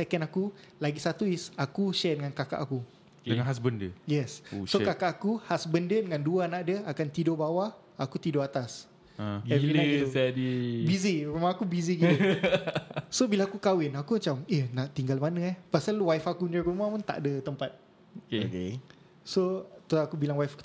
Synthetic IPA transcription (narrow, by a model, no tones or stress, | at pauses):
sɛkɛnaku | laɡisat̪uisakuʃɛdəŋankaka̰ʔaku | dəŋanɦas̬bəndəjɛsosokakaʔːakuhasbəndədəŋãnduanaʔdəakant̪idobawa | akut̪idoat̪as | aɛvilaɛdibiziɾumaakubiziɡit̪u | sobilaakukawɪnakumat͡ʃamehnaʔt̪iŋɡalmanãahpasalwajfakuindəɾumahmant̪a̰ʔdət̪əmpat̪̚ | kke | sot̪oakubilaŋwajfku̥